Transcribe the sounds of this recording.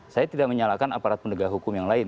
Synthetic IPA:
sajat̪idaʔməɲalakanapaɾat̪̚pəndəɡaɦukʊmjaŋlaɪn

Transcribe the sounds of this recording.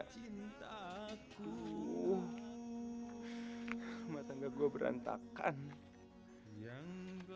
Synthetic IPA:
int̪aku | mat̪aŋɡaɡuabəɾa̰nt̪a̰ka̰n

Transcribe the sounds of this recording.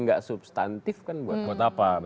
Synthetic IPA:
ŋɡaʔsubst̪ant̪ɪfkanbuat̪̚buat̪apab

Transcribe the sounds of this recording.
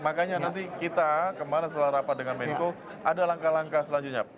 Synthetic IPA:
makaɲanant̪̬ikit̪akəmanas̬ət̪əlaɾapat̪̚dəŋanmeko | ʔadalaŋkalaŋkasəlaɲd͡ʒʊt̪̚ɲa

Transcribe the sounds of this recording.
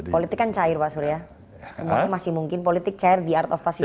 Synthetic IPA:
polit̪ɪkːant͡ʃaɪrpaʔsuɾja | səmuaɲamasɪhmuŋkɪnpolit̪ɪk̚t͡ʃaɪrd̪iart̪ɔfpasi

